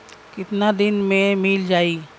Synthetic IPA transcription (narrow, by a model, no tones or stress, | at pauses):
kɪt̪nad̪ɪnmẽmɪld͡ʒaːiː